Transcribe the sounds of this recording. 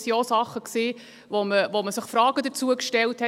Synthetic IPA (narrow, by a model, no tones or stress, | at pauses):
siosɑχːəksiː | ʋoməʋoməsəχfɾɑːɡ̥əd̪əɾt͡suəkʃtɛlthɛ